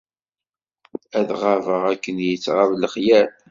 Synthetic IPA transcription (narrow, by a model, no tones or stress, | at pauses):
æðʁavəʁækːənjət͡sːʁavləχjæl